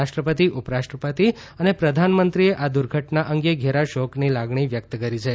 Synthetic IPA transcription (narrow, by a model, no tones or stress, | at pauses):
aʃʈɾəpət̪iʔʊpɾaʃʈɾəpət̪i | ənepɾəd̪ʱanmənt̪ɾieʔad̪ʊɾɡʱəʈnaʔəŋɡeɡʱeɾaʃoknilaɡɳiʋjək̚t̪kəɾit͡ʃʰe